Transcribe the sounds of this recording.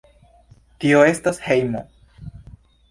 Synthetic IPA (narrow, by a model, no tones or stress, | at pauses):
tio̞e̞stashe̞jmo̰